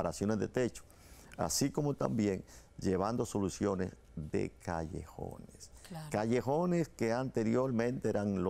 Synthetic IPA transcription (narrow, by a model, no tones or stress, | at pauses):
aɾasjo̞nezðḛt̪e̞t͡ʃo̥ | a̰siko̞mo̞t̪a̰mbje̞ŋd͡ʒe̞β̞and̪o̞so̞lusjo̞ne̞̰z | ðe̞̰ka̰ʝḛxo̰neskaʝe̞xo̞neskeant̪e̞ɾjo̞ɾmẽ̞nt̪eeɾaŋlo